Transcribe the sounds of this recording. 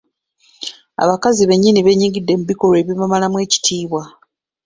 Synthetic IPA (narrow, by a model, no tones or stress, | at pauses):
a̰βakaziβe̞ɲːiniβe̞ɲiːŋɡidːe̞muβiko̞lwe̞ːβjimamalamwe̞ːci̥tʰiːβwa